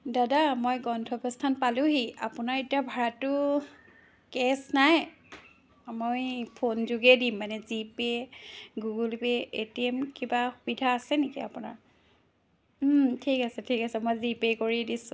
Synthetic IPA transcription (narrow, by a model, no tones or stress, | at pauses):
dadamojɡɔndʰʱɔbɔstʰanpalʊ̃ɦiapʊnaɹetijabʱaɹatʊ | kɛsnaj | mojpʰonzuɡɛdimːanɛzipeɡuɡulpeetiɛmkibaxubidʱaːsɛnekia̰pʊna̰ɹ | tʰikasɛtʰikasɛmojzipekoɹidisʊ̃